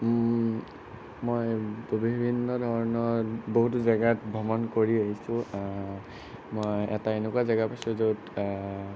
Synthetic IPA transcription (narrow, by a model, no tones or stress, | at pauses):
mojbibʱinːɔdʱɔɹɔnɔɹboɦut̬ʊzaɡatbʱɔmɔnkoɹiaɦisʊ̃a | mojɛtaenʊkuazaɡapasuzot